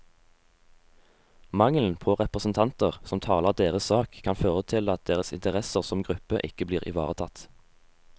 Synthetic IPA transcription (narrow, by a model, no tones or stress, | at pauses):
mɑŋln̩pʰoːʁɛpʁəsn̩t̪ʰɑnt̪əʁsɔmt̪ʰɑːləʁd̪eːʁəssɑːkʰːɑnføːʁət̪ʰɪlɑt̪̚d̪eːʁəsɪ̰nt̪əʁɛsəʁsɔmɡʁʉpəʔɪkəbliːʁʔɪ̰ʋɑ̰ːʁət̪ʰɑt̪